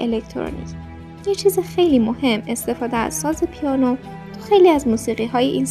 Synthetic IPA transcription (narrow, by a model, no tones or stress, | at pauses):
ʔḛlekt̪ʰoɾo̰nḭc | jet͡ʃʰiːzixe̞jliːmohe̞mːe̞st̪e̞fɒːd̪eæ̰z̥sɒːzepʰijɒːno | t̪ʰu̥xejliːæzmuːsiːɣiːɦɒːjeʔiːns